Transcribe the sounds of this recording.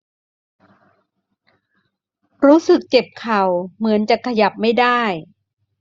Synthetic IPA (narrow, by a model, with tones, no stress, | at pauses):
ɾuː˦˥sɯ˨˩k̚t͡ɕe˨˩p̚kʰa˨˩wmɯ˩˦ənt͡ɕa˨˩kʰa˧ja˨˩p̚ma˥˩jdaː˥˩j